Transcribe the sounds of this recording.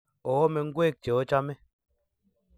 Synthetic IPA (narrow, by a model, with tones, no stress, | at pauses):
ɔ˨wɔ˦mɛ˨ŋ̩˦ɡwe˦˨k̚t͡ʃe˨ɔ˦t͡ʃa˦mɛ˦